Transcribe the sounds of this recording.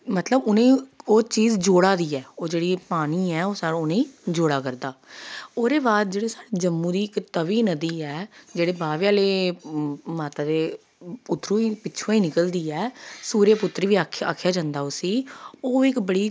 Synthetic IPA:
mət̪ləbʊnẽːoːt͡ʃiːzd͡ʒoːɽaːd̪iːɛːoːd͡ʒeːɽiːpaːɽ̃iːɛːoːsaːɽʊnẽːiːd͡ʒoːɽaːkəɾd̪aːoːd̪eːbaːd̪̚d͡ʒeːɽeːsaːɽeːd͡ʒəmːũːd̪iːɪkt̪əʋiːnəd̪iːɛːd͡ʒeːɽeːbaːʋjaːleː | maːt̪aːd̪eː | pʊt̪ːɾũːiːpɪːt͡ʃʰõːiːnɪkəld̪iːɛːsuːɾeːpʊt̪ːɾʋiːa̰ːkʰjaːd͡ʒãːnd̪aːʊsiːoːɪkbəɽiː

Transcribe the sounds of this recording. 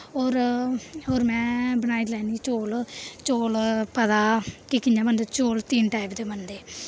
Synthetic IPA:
ɦoːɾɦoːɾmɛ̃ːbənaːilɛːniːt͡ʃoːlt͡ʃoːlpəd̪aːkikɪɲãːbənd̪et͡ʃoːlt̪iːnʈaːɪbd̪eːmənd̪eː

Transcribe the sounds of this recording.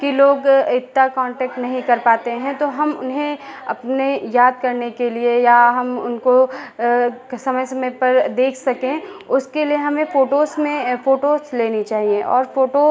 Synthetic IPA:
kiloːɡɪt̪ːakɔ̃ːɳʈɛːk̚ʈnɐɦĩkɐɾpaːt̪eɦɛ̃t̪oɦɐmʊ̰nɦẽɐ̰pnejaːd̪̚kɐɾnekeliejaɦɐmʊ̰nko | sɐməjsɐməjpɐɾd̪eːkʰsɐkẽʊskelieɦɐmẽfoːʈoːsmẽfoːʈoːsleːnit͡ʃaːɦiẽʔɔ̰ːɾfoːʈo

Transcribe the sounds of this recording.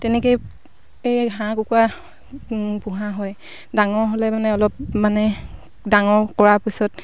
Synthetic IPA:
tɛnɛkoj | ejɦãkukua | bũɦãɦɔj | daŋɔɹɦolɛmanɛɔlɔp̚manɛ | daŋɔɹkɔɹapisɔt

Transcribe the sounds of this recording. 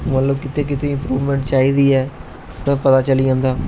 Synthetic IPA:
mət̪ləb̚kɪt̪eːk̬ɪt̪eːɪ̃mpɾuːʋmẽːɳʈt͡ʃaːiːd̪iːɛː | ɛ̃ːpət̪aːt͡ʃəliãːnd̪aː

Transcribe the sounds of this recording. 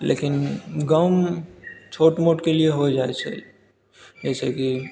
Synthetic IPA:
lḛːkɪnɡəm | t͡ʃʰoːʈmoːʈkelieɦod͡ʒaːet͡ʃʰɛ̰ | d͡ʒɛːseki

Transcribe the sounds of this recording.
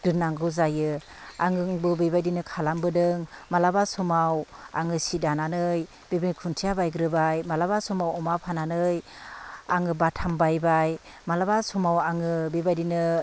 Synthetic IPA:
d̥ɯnːaŋɡɯwzajɯ | aŋɯŋbɯbijbajdinɯkʰalambɯdɯŋmalabasumawa̰ŋɯsidananɯj | bibinkʰuntʰijabajɡɾɯbajmalabasumawɔmapʰananɯj | aŋɯbatʰambajbaj | malabasumawaŋɯbibajdinɯ

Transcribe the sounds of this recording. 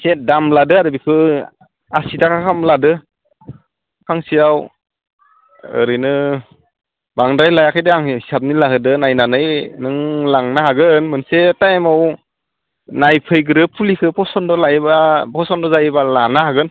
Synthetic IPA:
kʰet̚damladɯadɯbikʰɯ | asidakʰakʰamladɯ | kʰaŋsijaw | ɯ̰ɾɯjnɯ | baŋdajlajakʰajdɯaŋhisap̚nilakʰɯdɯnajnanɯjnɯŋlaŋnahaɡɯnmɯnsetajmaw | najpʰɯjɡɯɾɯpʰulikʰɯpʰɔsɔndɔlajbabʰɔsɔndɔzajbalanahaɡɯn

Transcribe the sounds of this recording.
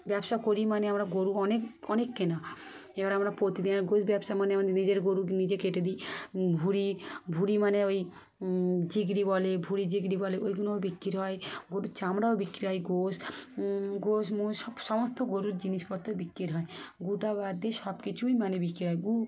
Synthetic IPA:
bɛbʃakoɾimaneamɾaɡoɾuɔnekɔnekːena | ebaɾamɾapot̪id̪inaɾɡosbjɛbsamanemanenid͡ʒeɾɡoɾunid͡ʑekeʈed̪ibʱuɾibʱuɾimaneoj | d͡ʒiɡɾibɔlebʱuɾid͡ʒiɡɾibɔleʔojɡunobikːiɾɦɔeɡoɾut͡ʃamɾaobikːɾiɦɔjɡos | ɡosmusɔmɔst̪ɔɡoɾuɾd͡ʒinispɔɾt̪ɔbikːɾiɾɦɔeɡuʈabad̪eʃɔbkit͡ʃʰujmanebikɾiɾɦɔjɡu

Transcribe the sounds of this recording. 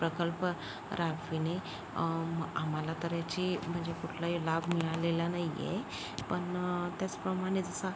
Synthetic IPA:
pɾəkəlp | ɾaʋine | am̤alat̪əɾjat͡ɕiːm̤əɳd͡ʑekuʈʰlajolabʱmiɭalelanajḛ | pəɳt̪jat͡spɾəmaɽ̃ed͡zəsa

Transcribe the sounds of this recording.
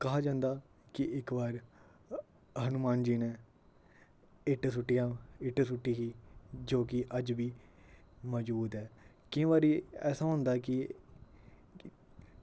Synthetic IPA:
kəɦaːd͡ʒãːnd̪aː | kɪɪkbaːɾ | ɦənʊmaːnd͡ʒiːneː | ɪʈːsʊʈːɪjãːɪʈːsʊʈːiːɦiːd͡ʒoːkɪʔəd͡ʒʋiː | mɔːd͡ʒbuːd̪ɛː | kɪ̃ːʋaːɾiːɛːsãːɦʊ̃nd̪aːkɪ

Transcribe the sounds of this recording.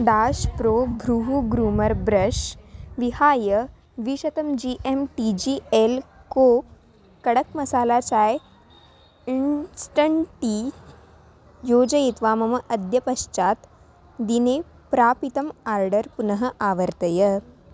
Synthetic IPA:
d̪aːʃpɾoːbʱɾuɦuɡɾuːmɐɾbɾɐʃʋihaːjə | ʋiʃɐt̪ɐmd͡ʒiːʔemʈid͡ʑiːelkoː | kɐɽəkmɐsaːlaːt͡saːj | insʈɐɳʈi | joːd͡ʒɐjit̪ʋaːmɐmɐʔɐd̪jɐpɐʃt͡ʃaːt̪ | d̪ineː | pɾaːpit̪ɐmaːɾɖəɾpunɐɦə̆ʔaːʋəɾt̪ɐjə

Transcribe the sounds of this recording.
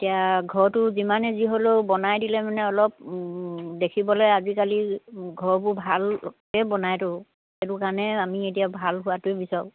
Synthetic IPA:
etijaɡʱɔɹtʊzimanɛziɦoleʊbɔnajdilɛmanɛɔlɔp̚ | dekʰibɔlɔjazikaliɡʱɔɹbʊbʱalkɛbɔnajtʊ | etʊkanɛamietijabʱalɦʊwatʊebisɔʊ

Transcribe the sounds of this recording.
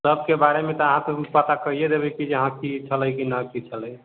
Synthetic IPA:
səb̚kebaɾemet̪ɔəɦãkepət̪akəijed̪ebɛkid͡ʒeɦãkit͡ʃʰələjkinakit͡ʃʰələj

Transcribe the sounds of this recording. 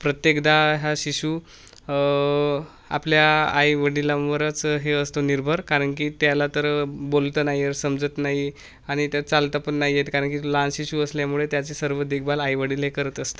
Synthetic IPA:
pɾət̪jekd̪aɦjaɕiɕu | a̰pljaa̰jʋəɽilaʋəɾət͡sɦeəst̪oniɾbʱəɾkaɾəɳk̬iːt̪jalat̪əɾbolt̪ənaɦiəɾsəmd͡zət̪naɦi | aɽ̃it̪at͡salt̪apəɳːaɦijet̪kaɾəɳkilanɕiɕuəsljamuɭet̪jat͡sesəɾʋəd̪ekʰbalajʋəɽilɦekəɾət̪əst̪ə̥

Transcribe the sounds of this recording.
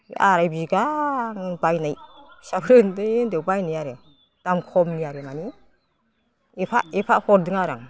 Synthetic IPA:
ʔaɾajbiɡaŋbajnajsapʰɾɯndɯndewbajnijaɾe | d̥amkʰɔmnijaɾemani | epʰaepʰaʔhɔɾdɯŋaɾa̰ŋ

